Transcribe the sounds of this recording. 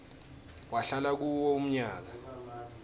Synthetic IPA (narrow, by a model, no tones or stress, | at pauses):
waɬalak̬uwoum̩ɲaːk̬a